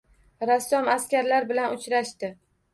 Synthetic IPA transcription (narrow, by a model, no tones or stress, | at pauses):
ɾasːɒmaskʲaɾlaɾbɪlanʊt͡ʃɾaʃt̪ɪ